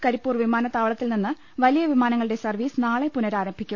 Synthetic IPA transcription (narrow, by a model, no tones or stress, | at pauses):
kɐɾipːuːrʋimaːnɐt̪ːaːʋɐɭɐt̪ːilninːɨ | ʋɐlijɐʋimaːnɐŋːɐɭɨɽe̞sɐrʋiːsɨnaːɭepunɐɾaːɾɐmbʱikʲːu